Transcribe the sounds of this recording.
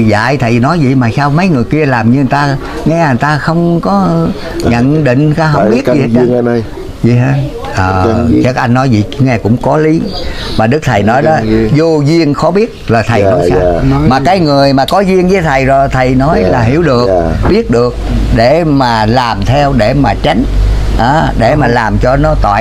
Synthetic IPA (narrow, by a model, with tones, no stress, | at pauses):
za̰ː˧˨jt̪ʰə˨˩jnɔ˨˦jzḭ˧˨maː˨˩saː˧wmə˨˦jŋɨ˨˩əjki˧əlaː˨˩mɲɨ˧ɨ˨˩t̪aː˧ | ŋɛ˧˨˩t̪aː˧xə˧wŋ͡mkɔ˨˦˧ | ɲə̰˧˨nɗḭ˧˨ŋ̟aː˧ɦə˧wŋ͡mɓi˦˥ətzi˨˩˦ | vḭ˧˨ɦaː˨˦ | ʔəː˨˩˧t͡ɕa˦˥k̚ʔa˧jŋ̟nɔ˨˦jzḭ˧˨ŋɛ˧kʊ̰˧˥ŋ͡mkɔ˨˦li˨˦maː˨˩ɗɨ˦˥k̚t̪ʰə˨˩jnɔ˨˦jɗɔ˨˦zo˧zi˧əŋxɔ˨˦ɓi˦˥ət̚laː˨˩t̪ʰə˨˩jnɔ˨˦jsaː˧maː˨˩kaː˨˦jŋɨ˨˩əjmaː˨˩kɔ˨˦zi˧əŋzə˨˦jt̪ʰə˨˩jzo˨˩jt̪ʰə˨˩jnɔ˨˦jlaː˨˩ɦi˧˩əwɗɨ˨˩ək̚ɓi˦˥ət̚ɗɨ˨˩ək̚ɗe˧˩maː˨˩laː˨˩mt̪ʰɛ˧wɗe˧˩maː˨˩t͡ɕa˨˦jŋ̟ʔaː˨˦ɗe˧˩maː˨˩laː˨˩mt͡ɕɔ˧nɔ˨˦t̪wa̰ː˧˨